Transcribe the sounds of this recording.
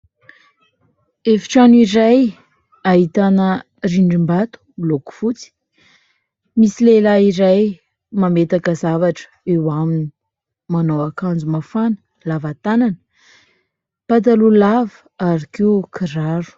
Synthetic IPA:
efi̥ʈ͡ʂaniɾaj | aɦit̪anə | riɳɖ͡ʐimbat̪u̥loku̥fut͡si̥ | misilelaiɾaj | mamet̪akəzavaʈ͡ʂə̥ewamini | manowakand͡zumafanə̥ | lavat̪ananə | pat̪̬alulavə | aɾikeukʰiɾaɾu̥

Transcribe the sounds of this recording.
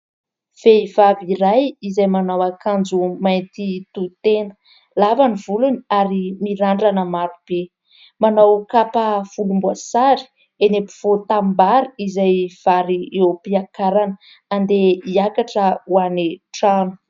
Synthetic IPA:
v̥eiv̥abiɾajizajmanawakand͡zumajnt̪it̪ut̪enə̥ | lavaniv̥uluniaɾimiɾaɳɖ͡ʐanəmaɾub̥e | manawkapafulumbuasaɾi̥ | enepu̥v̥ot̪ambaɾiizajv̥aɾiewpiakaɾanə | and̪eiakaʈ͡ʂəuaniʈ͡ʂanu̥

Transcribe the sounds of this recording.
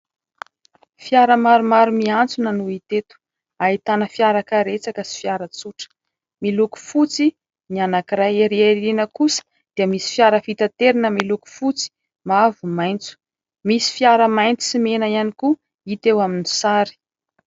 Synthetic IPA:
fiaɾəmaɾumaɾumiant͡sunənuit̪et̪u̥ | ait̪anəfiaɾakəɾet͡sakəsi̥fiaɾət͡suʈ͡ʂə̥ | miluku̥fut͡si | mianakiɾajeɾieɾinəkusə̥ | d̪̥iəmisi̥fiaɾəfit̪at̪eɾinəmiluku̥fut͡si̥ | mavumajnt͡su̥ | misi̥fiaɾəmajnt͡si̥simenaianiku | it̪ewaminisaɾi̥

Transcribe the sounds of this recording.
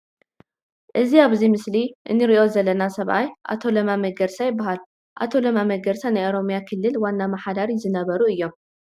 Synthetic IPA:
ʔɨziaβzimɨsliʔɨ̰nːɨɾiʔo̞zɐlɐnasɐβʔajʔa̰t̪ʰo̞lɐmamɐɡɐɾsajɪbːaɦal | ʔa̰t̪ʰo̞lɐmamɐɡɐɾsanajʔoɾo̞mjakʰɨlːɨlwanːamɐħad̪aɾizɨnɐβɐɾuɨjːo̞m

